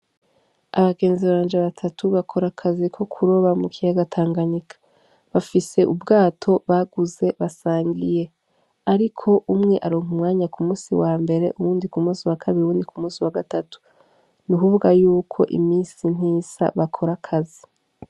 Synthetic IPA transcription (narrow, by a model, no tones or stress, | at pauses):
aβaɡe̞ːnziβaːnd͡ʒeβatʰatʰuβakʰo̞ɾakʰazikʰo̞kʰuɾo̞βamukʰijaɡatʰaːŋɡaɲikʰḁ | βafise̞ʔubɡaːtʰo̞βaɡuze̞βasaːɲɡije̞ | aɾikʰo̞ʔumŋe̞ʔaɾoːŋhumŋaːɲakumuːsiwaːmbe̞ɾe̞ʔuβuːndikumuːsiwakʰaβiɾiuuːndikumuːsiwaɡatatu̥ | nukuβuɡajuːkʰo̞̰ʔḭmiːsin̥hiːza̰βakʰo̞ɾakʰazi